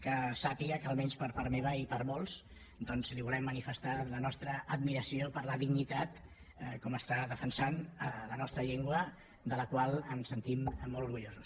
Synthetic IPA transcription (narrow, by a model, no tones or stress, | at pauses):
kəsapiəkəːlˠmɛnspəɾpaɾmeβ̞əipəɾmɔlˠz | d̪ɔnzliβulɛmːənifəst̪alənɔst̪ɾəːd̪miɾəsiopəɾləðiɡnit̪at̪ | kɔməst̪aðəfənsanələnɔst̪ɾəʎeŋɡwə | d̪ələkwalˠənsənt̪imːoluɾɣuʎozus